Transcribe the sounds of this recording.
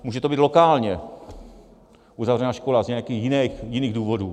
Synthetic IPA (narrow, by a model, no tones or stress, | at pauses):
muːʒɛt̪obiːt̪lokaːlɲɛ | ʔuzavrɛnaːʃkolazɲɛjakiːxjɪnɛxjɪniːɣduːvoduː